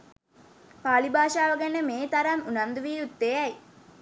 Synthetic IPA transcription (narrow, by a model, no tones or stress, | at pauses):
paːlibaːʃaːʋəɡenːəmeːt̪ɐɾɐmunɐnd̪uʋiːut̪ːeæj